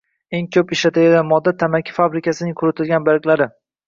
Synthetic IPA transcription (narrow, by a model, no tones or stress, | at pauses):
eŋkʲʰɵpɪʃlat̪ʰaɡʲaɡ̪ʲanmɒd̪ːat̪ʰamakʲʰḁfabɾɪkʲasɪnɪŋkʰʊɾʊt̪ʰɪlɡʲanbaɾkʲlaɾɪ